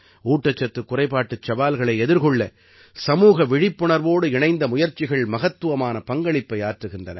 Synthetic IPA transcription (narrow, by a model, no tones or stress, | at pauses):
uːʈːɐt͡ʃːɐt̪ːɯkːʊrɐɪpaːʈːɯt͡ʃːɐbaːlɣɐɭɐɪɛðɪɾɣɔɭːɐ | sɐmuːɣɐʋɪɻɪpːʊɳɐɾʋoːɽɯɪɳɐɪnd̪ɐmʊjɐɾt͡ʃːɪɣɐɭmɐɣɐt̪ːɯʋɐmaːnɐpɐŋɡɐɭɪpːɐɪaːʈrɯɣɪndrɐnɐ̰